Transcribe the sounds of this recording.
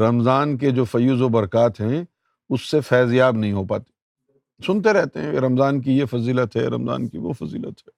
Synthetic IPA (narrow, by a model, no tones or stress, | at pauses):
ɾɐmzaːnked͡ʒoːfɐjuːzobɐɾkaːt̪ɦɛ̃ | ʊsːefɛːzijaːbnɐɦĩɦopa̰ːt̪i̥ː | sʊnt̪̬eɾɛɦt̪eɦɛ̃ḛɾɐmzaːnk̬ijefɐziːlət̪ɦɛ̰ːɾɐ̰mza̰ːnkiʋo̰fɐzḭːlə̰t̪ɦɛː